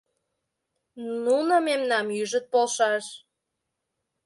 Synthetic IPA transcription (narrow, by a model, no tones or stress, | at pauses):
nnunomemnɑmjyʒə̆t̪̚polʃɑʃ